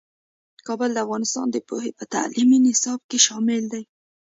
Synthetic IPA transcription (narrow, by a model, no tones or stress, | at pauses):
kɑbəld̪əafɣɑnɪst̪ɑ̰nd̪əpoɦepət̪a̰lʔiminɪsɑb̚keʃɑmɪld̪aj